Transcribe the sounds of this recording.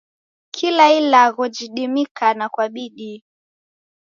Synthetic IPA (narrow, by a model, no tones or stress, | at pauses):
kʰilailaɣɔd͡ʒiɗimikanakwaɓiɗi